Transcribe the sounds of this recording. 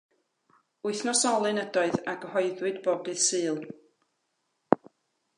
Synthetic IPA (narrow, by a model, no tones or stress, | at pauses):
uɨθnɔsɔlˠɨnədɔɨðaɡəhɔɨðwɨdbɔbɨsɨːlˠ